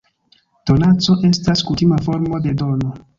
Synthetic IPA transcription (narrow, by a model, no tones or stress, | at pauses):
to̞nat͡so̞ʔe̞staskutimafo̞ɾmo̞de̞do̞no̞